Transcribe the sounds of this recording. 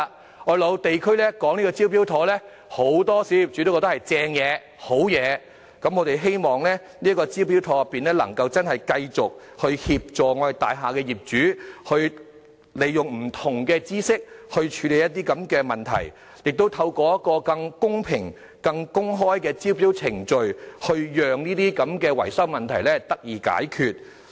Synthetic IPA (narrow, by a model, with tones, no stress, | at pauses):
ɔː˨˧jlo˨˧wt̪e˨jkʰɵ˥ɥlɛː˥kɔː˨˥ŋiː˥kɔː˧t͡siː˥wp̬iː˥wt̪ʰɔː˨˥lɛː˥ | ho˨˥wt̪ɔː˥si˨˧˥ji˨p̚t͡ʃy˨˥t̪wkːɔ˧t̪ɐ˥hɐ˨˩jt͡sɛː˧ŋjɛː˨˧ | ho˨˥wjɛː˨˧ | kɐ˨˥mŋɔː˨˧ɾe˨jɦe˥jmɔː˨ŋlɛː˥ | niː˥ɐ˥kɔː˧t͡siː˥wpiː˨˥wt̪ʰɔː˨˥jɐ˨pːiː˨˩nlɛː˥lɐ̰˨˩ŋkɐ˧wt͡sɐ˥nɦɐ˨jkɐ˧jt͡sʊ˨k̚ | hɵ˧ɥhiː˧p̚t͡ʃɔː˨ŋɔː˨˧e˨˩jt̪a̰ː˨jɦaː˨kɛː˧jiː˨˩p̚t͡ʃyː˨˥hɵ˧ɥ | le˨˩jʊ˨ŋm̩˨˩t̪ʰʊ˨˩ŋkɛː˧t͡siː˥sɪ˥k̚hɵ˧ɥt͡ʃʰyː˨˧˥le˨jɐ˥t̚t̪̬iː˥kɐ˨˥mkɛː˧mɐ˨nt̪ʰɐ̰˨˩j | jɪ˨k̚t̪o˥wt̪ʰɐ˧wkɔː˧jɐ˥t̚kɔː˧kɐ˧ŋkʊ˥ŋpʰɪ˨˩ŋ | kɐ˧ŋkʊ˥ŋɦɔː˥jkɛː˧t͡siː˥wp̬iː˨˥wt͡sʰɪ˨˩ŋt͡ʃɵ˨˧ɥhɵ˧ɥjœː˨ŋniː˥t̪iː˥kɐ˨˥mkɛː˧wɐ˨˩jsɐ˥wmɐ˨nt̪ʰɐ˨˩jlɛː˥t̪ɐ˥k̚jiː˨ka̰ː˨˥jkʰyː˨t̚